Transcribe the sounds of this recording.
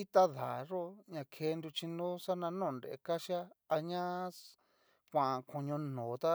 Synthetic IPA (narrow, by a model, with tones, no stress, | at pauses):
i˦t̪a˦ða̰˨ʐo˦ɲã˧kʰe˧˦˧nd̪u˧t͡ʃi˧nõ˦sa˦nã˧nõː˦˧˨nɾe˨ḛ˧˨ka˦ʃja˦a˧ɲã˦ | kʷã˨kʰõ˧˨ɲõ˧nõː˨˦t̪a˦